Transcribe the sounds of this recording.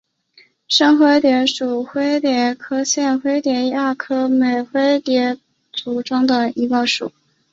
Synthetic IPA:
ʂɤ˥ŋxwe˥ɪt̪jɛ˧˥ʂu˨˩xwe˥ɪt̪jɛ˧˥kʰɤ˥ɕjɛ˥˩nxwe˥ɪt̪jɛ˧˥ja˥˩kʰɤ˥me˨˩ɪxwe˥ɪt̪jɛ˧˥ | t͡su˨˩ʈ͡ʂʊ˥ŋd̪ə˨i˧˥kə˥˩ʂṵ˨˩˦

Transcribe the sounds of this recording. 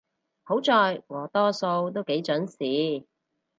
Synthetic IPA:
ho˨˥wt͡sɔː˨jwɔː˨˩t̪ɔː˥so˧wt̪o˥wke˨˥jt͡ʃœ˨˥nsiː˨˥

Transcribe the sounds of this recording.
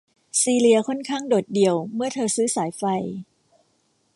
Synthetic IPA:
siː˧li˧ɐkʰɔ˥˩nkʰaː˥˩ŋdoː˨˩t̪̚di˧əwmɯ˥˩ɐt̪ʰɤː˧sɯː˦˥saː˩˦jfa˧j

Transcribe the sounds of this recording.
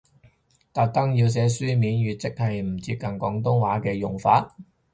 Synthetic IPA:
t̪aː˨˧k̚t̪ɐ˥ŋjiː˧ws̬ɛː˨˥syː˥miː˨˥nɥyː˨t̚t͡sɪ˥k̚hɐ˨jm̩˨˩t͡siː˧p̚kɐ˨nkɔː˨˥ŋt̪̬ʊ˥ŋwaː˨˥kɛː˧jʊ˨˩ŋfaː˧t̚

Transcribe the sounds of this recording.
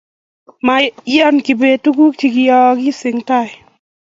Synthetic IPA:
ma˧jɔ˦nki˨be˧tu˦ɡu˦k̚ti˧ki˧jɔ˧ki˦sɪ˨ŋta˧˨j

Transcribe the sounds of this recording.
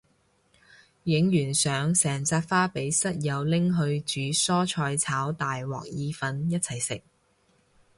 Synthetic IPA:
jɪ˨˥ŋjyː˨˩nsœː˨˥ŋsɛː˨˩ŋt͡saː˧t̚faː˥pe˨˥jsɐ˥t̚jɐ˨˧wlɪ˥ŋɦɵ˧ɥt͡ʃyː˨˧˥sɔː˥t͡ʃʰɔː˧jt͡sʰaː˨˥wt̪aː˨jwɔ̰ː˨k̚jiː˧fɐ˧njɐ˥t̚t͡sʰɐ˨˩jsɪ˨k̚

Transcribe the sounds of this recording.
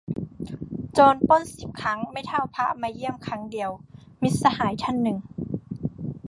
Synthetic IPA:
t͡ɕoː˧npo˥˨nsi˨˩p̚kʰa˦˥ŋma˥˩jt̪ʰa˧˥˩wpʰa˧˥ʔmaː˧ji˥˩əmkʰa˧˦˥ŋdi˨˩əwmi˦˥t̪̚sa˧haː˩˦jt̪ʰa˧˥˨nːɯ˨˩ŋ

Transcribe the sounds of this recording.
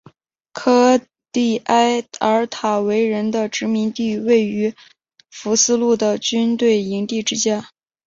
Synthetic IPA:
kʰɤ˥ | t̪i˥˩a˥ɪə˧˥t̪ʰa˨˩we˧˥ɪɻə˧˥nd̪ə˧ʈ͡ʂɻ̩˧˥mi˧˥ŋt̪i˥˧we˥˩ɪy˧˥ | fu˧˥sɹ̩˥lu˥˩d̪ə˩t͡ɕy˥nt̪we˥˩ɪi˧˥ŋt̪i˥˩ʈ͡ʂɻ̩˥t͡ɕja˥˩

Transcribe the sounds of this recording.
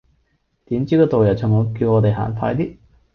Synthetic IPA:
t̪i˨˥mt͡ɕiː˥kɔː˧t̪o˨wjɐ˨˩wt͡ɕʰʊ˨˩ŋɔ˨˧ki˧wŋɔ˨˧t̪e˨jɦa̰ː˨˩nfʰa̰ː˧jt̪iː˥

